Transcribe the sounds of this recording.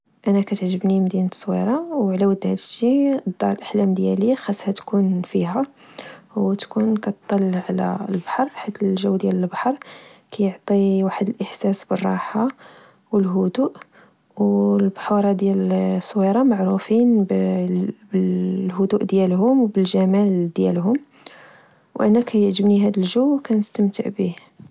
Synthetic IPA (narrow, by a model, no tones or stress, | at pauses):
ʔænækæt̪əʕʒəbnimd̪inəsˤːwḭɾˤɑwʕlæwəd̪ːhæd̪əʃːid̪ːɑɾˤəlʔaħlæmd̪jæ̰lixæsːhæt̪kunfiɦæ | wt̪kunkæt̪t̪ˤːɑlːʕlæ̰lbḁħɑɾˤħit̪əlʒəwːd̪jæləlbaħɑɾˤkæjəʕt̪ˤiwaħəd̪əlʔəħsæsbərˤːɑ̰ħa | wəlɦʊd̪uʔ | wlbħuɾˤɑd̪jælsˤːwiɾˤɑmaʕɾufinb | bəlɦʊd̪uʔd̪jælhʊmwbəlʒæmæld̪jæ̰lɦʊm | wʔænækʰæjəʕʒəbniɦæd̪əlʒuwkʰænəst̪əmt̪əʕbi